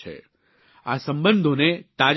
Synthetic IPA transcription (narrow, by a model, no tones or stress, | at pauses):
ḛ | asə̃mbənd̪ʱonet̪ad͡ʒ